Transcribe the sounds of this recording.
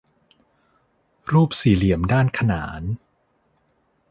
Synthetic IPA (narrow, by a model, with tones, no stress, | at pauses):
ɾuː˥˩p̚siː˨˩li˨˩˦əmdaː˥˩nkʰa˧na̰ː˩˦n